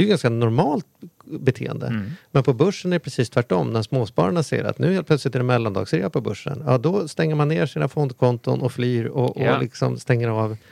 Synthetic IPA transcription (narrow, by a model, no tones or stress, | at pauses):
d̪ɛjɵɡanskanɔɾmɑːlt̪̚bɛt̪ʰḛːə̰nd̪ə̰mɛnpʰɔbɵʂːənæɖɛpʰɾɛsiːst̪ʰvæʈːɔmːnæʂmoːspɑ̰ːɾaɳasḛːəɾa̰t̪nʉ̟ːheːlpʰlœt̪slɪt̪æɖɛmɛlːand̪ɑ̰ːɡsɾeːapʰɔbɵʂːə̰njɑ̰ːd̪ɔst̪ɛŋːəɾmanːeːɾʂiːnafɔnd̪kʰɔnt̪ʊnʔɔflyːɾɔʔɔlɪksɔmst̪ɛŋːəɾɑːv